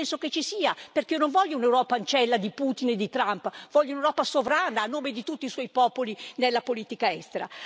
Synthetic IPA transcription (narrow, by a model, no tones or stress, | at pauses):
ɛnsoket͡ʃːisiːaperk̟ionoɱvɔʎːounewɾɔːpaːnt͡ʃɛlːad̪iput̪ined̪ːit̪ɾampvɔʎːounewɾɔːpasovɾaːnaːnːoːmed̪it̪ut̪ːiswɔjpɔːpolinelːapoliːt̪ikaɛst̪eɾa̰